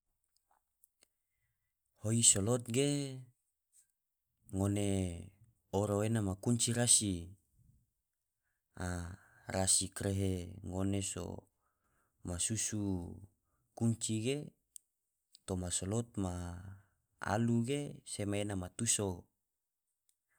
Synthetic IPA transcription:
hoisolot̪̚ɡe | ŋone | oɾoenamakuɲt͡ʃiɾasi | a | rasikɾeɦeŋoneso̰ | masusu | kuɲt͡ʃiɡe | t̪omasolot̪̚ma | a̰luɡesemaenamat̪uso

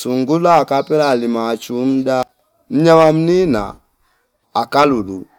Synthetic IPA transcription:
suŋɡulaːkapɛlalimat͡ʃum̩da | m̩ɲawam̩nina̰ː | kalulu

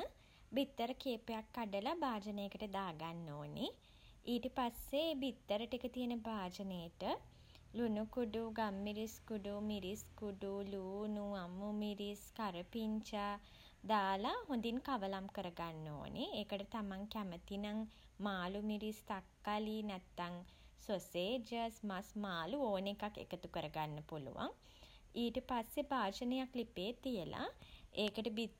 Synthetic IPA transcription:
bit̪ːəɾəkeːpejakːaɖəlabʱaːd͡ʒənəjəkəʈəd̪aːɡanːoːne | iːʈəpasːebit̪ːəɾəʈikət̪ijənəbʱaːd͡ʒənejəʈə | lunukuɖuɡamːiɾiskuɖumiɾiskuɖuluːnuamumiɾiskaɾəpiɲt͡ʃa | d̪aːlaɦõnd̪inkaʋəlamkəɾəɡanːo̰ːnʔeeːkəʈət̪amaŋkæmət̪inaŋ | maːlumiɾist̪akːalinɛt̪ːaŋ | soseːd͡ʒəsmasmaːluoːnekakḛkət̪ukəɾəɡanːəpulṵʋa̰ŋ | iːʈəpasːebʱaːʃənəjaklipeːt̪ijəlʔa̰eːkəʈəbi

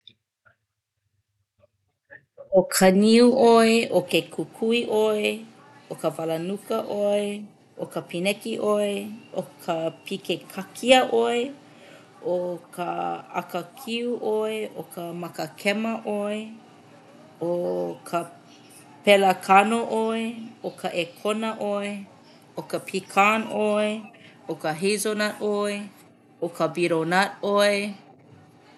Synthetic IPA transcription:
okʰɐniuʔoeʔokekʰukʰuiʔoe | ʔokəvalɐnukəʔoe | ʔokəpinɛkiʔoeokʰəpʰikekʰakʰiəʔoe | ʔokʰəa̰kəkʰiuʔoeʔo̰kʰəmɐkəkʰɛmɐʔoe | ʔokʰə | pɛlɐkʰanoʔoeokʰɐʔekʰonɐʔoe | okəpʰikʰanoe | okəɦejzonɐtoe | okəbiɾonɐtoe

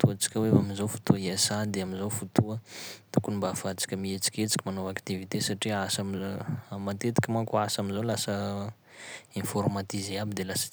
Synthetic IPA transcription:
t̪uat͡si̥kʲəwewamizofu̥t̪uəiasad̪eamizofut̪uət̪ukunimbafat͡si̥kʲəmiet͡si̥kʲet͡si̥kʲimanoakt̪ivit̪esaʈ͡ʂiasamimat̪et̪i̥kʲimakoasamizolasə | ĩnfɔɾmat̪izeabid̪elasə̥

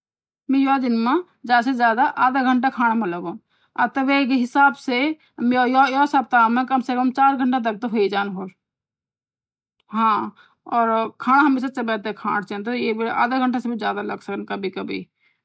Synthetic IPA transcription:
mẽjɔːd̪ɪnmã | d͡ʒaːs̬ezjaːd̪aʔaːd̪aɡʱəɳʈakʰaːɽ̃amɐ̃ləɡo | at̪ɐʋekɦɪsaːbse | mjjɔjɔːsaːb̚t̪aːmɛ̃kɐmsekəmt͡ʃaːɾɡʱə̃ɳʈat̪̬ɐk̚t̪oɦoid͡ʒaːnɦoːl | ɦãː | ɔːɾkʰaːɽ̃aɦɐmeːs̬at͡ʃebɛːt̪ekʰa̰ːɽt͡ʃɛ̃ːnt̪ojebʱa̰ːd̪aɡʱəɳʈasebʱizjaːd̪alɐɡsəkənkəbʱikəbʱḭ

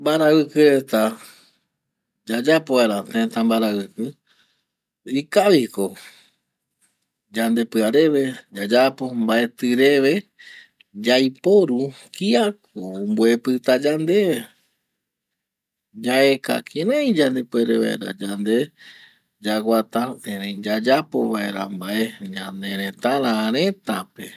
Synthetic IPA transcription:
mbaɾawɨkɨɾet̪a | d͡ʒad͡ʒapoβaeɾat̪ẽt̪ãmbaɾawɨkɨ | ikaʋiko | d͡ʒand̪e̞pɨaɾe̞ʋe̞d͡ʒad͡ʒapo̞mbaet̪ɨɾe̞ʋe | d͡ʒajpoɾu | kiakombue̞pɨt̪ad͡ʒand̪e̞e | d͡ʒaeka̰kʰĩɾãj̃d͡ʒand̪epweɾeβa̰ḛɾa̰d͡ʒand̪e̞ | d͡ʒaɡat̪aẽɾẽjd͡ʒad͡ʒapo̞βaeɾambaʔe̞ɲãnd̪eɾẽt̪aɾãɾẽt̪ape̞

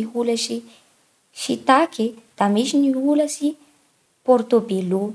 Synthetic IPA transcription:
iɦuləʃi | ʃit̪akid̪̥amiʃiniɦuləsi | poɾt̪obelu

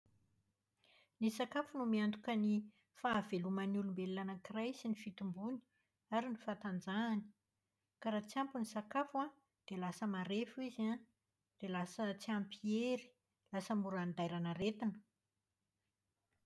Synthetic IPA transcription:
nisakafunumiant̪ukəni | faːvelumanulumbelilanakirajsinifit̪umbuni̥ | aɾinifat̪and͡zaːni̥ | kaɾat͡siampunisakafwa | d̪̥elasəmaɾefuiza | d̪̥elasət͡siampieɾi̥ | lasəmuɾand̪ajɾanaɾet̪inə̥

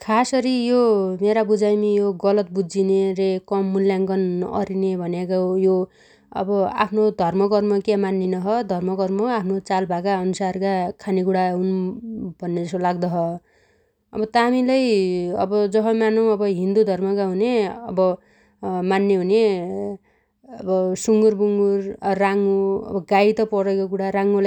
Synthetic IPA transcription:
kʰasʌɾijomeɾabud͡zajmijoɡʌlʌt̪bud͡zineɾekʌmːunljaŋkʌnʌ̰ɾinebʱʌnjakajo | ʌ̰bʌa̰pʰnod̪ʱʌrmʌɡʌrmʌkjamanːinʌɦʌd̪ʱʌrmʌɡʌrmʌapʰnot͡salbʱakaʌnusarkakʰanikuɽaɦunbʱʌnːed͡zʌsolaɡd̪ʌɦʌ | ʌ̰bʌt̪amilajʌ̰bʌd͡zʌɦʌ̃manʌw̃ʌbʌɦind̪ud̪ʱʌrmʌkaɦuneʌ̰bʌ | manːeɦune | ʌ̰bʌsuŋɡurbuŋɡurːaŋoʌ̰bʌɡajt̪ʌpʌɽʌkok̬uɽaɾaŋola

